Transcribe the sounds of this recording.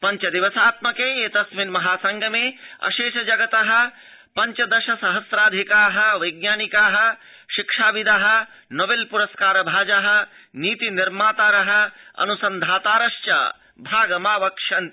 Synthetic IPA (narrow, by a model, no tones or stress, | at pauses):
pɐɲt͡ʃɐd̪iʋɐsaːt̪mɐkeːeːt̪ɐsminmɐɦaːsɐŋɡʱɐmeːɐ̰ʃeːʃɐd͡ʒɐɡɐt̪ɐɦɐ̆ | pɐɲt͡ʃɐd̪ɐʃɐsɐɦɐsɾaːd̪ʱikaːɦɐʋɐjɡ̚naːnikaːɦɐ | ʃikʂaːʋid̪ʱaɦɐ̆ | nobeːlpuɾɐskaːɾɐbʱaːd͡ʒaɦɐ̆ | niːt̪iniɾmaːt̪aːɾɐɦɐ̆ɐ̰nusɐnd̪ʱaːt̪aːɾɐʃt͡ʃɐ̰ | bʱaːɡɐmaːʋɐkʂɐnt̪